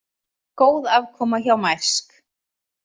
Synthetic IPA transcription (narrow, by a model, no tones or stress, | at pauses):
koːwðavkʰɔːmaçawmaj̥sk